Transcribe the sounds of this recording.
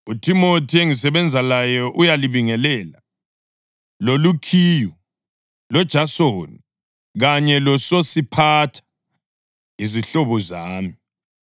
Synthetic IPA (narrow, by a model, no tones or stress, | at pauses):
utʰimotʰieŋisɛβɛnd͡zʱalajɔʔujaliβiŋɛlɛːla | lolukʰiːju | lɔd̥ʒ̥ʱasoːni | ɣaɲɛlɔsosipʰatʰḁ | iziɬɔβɔzaːmi